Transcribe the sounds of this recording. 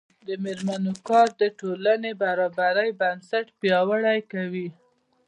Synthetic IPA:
d̪əmeɾmanokɑɾd̪əʈolanebaɾɑbaɾəjbansaʈpjɑwaɽajkawi

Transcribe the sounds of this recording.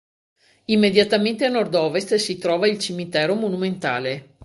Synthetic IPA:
imːed̪jat̪ament̪eanord̪ɔːvest̪sit̪ɾɔːvailt͡ʃimit̪ɛːɾomonument̪a̰ːle

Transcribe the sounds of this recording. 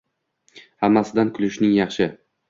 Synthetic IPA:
hamːasɪd̪ankʰʊlɪʃnɪŋjɑχʃɪ

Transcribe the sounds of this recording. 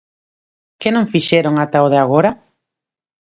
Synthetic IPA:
kɪnõŋfiʃɛɾoŋat̪aoðeaɣ̞oɾa

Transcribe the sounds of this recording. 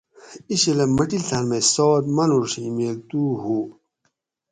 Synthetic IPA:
iɕelɐmɐʈilt̪ʰɐnmesɔːt̪mɐnuɾʂimeːk̚t̪uːhu

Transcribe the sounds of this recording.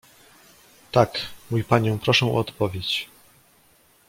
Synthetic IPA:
t̪akmujpaɲɔ̃w̃pɾɔʂɛ̃ṵɔt̪pɔvʲjet͡ɕ

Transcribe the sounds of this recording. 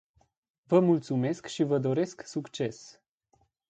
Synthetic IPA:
vəmult̪sume̞skʃivəd̪o̞ɾe̞sksukt͡ʃe̞s

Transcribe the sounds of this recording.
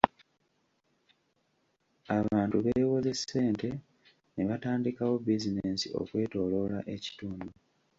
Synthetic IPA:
aβaːntuβejwoze̞sːe̞ːnte̞ | neβataːndikawo̞bizinesḭʔo̞̰kwe̞ːto̞ːlo̞laʔe̞ci̥tuːndu

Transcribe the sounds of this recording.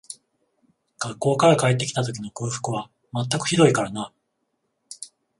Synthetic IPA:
ɡ̥akːo̞ːkaɾakaet̪̬ːe̞kʲi̥t̪at̪o̞k̬ʲino̞kɯːɸɯ̟̥kɯ̟βa | mat̪ːakɯ̟̥çid̪o̞ikaɾana

